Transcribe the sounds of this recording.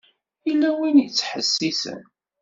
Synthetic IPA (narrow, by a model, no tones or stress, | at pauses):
ilːæwinjət͡sːħəsːisə̰n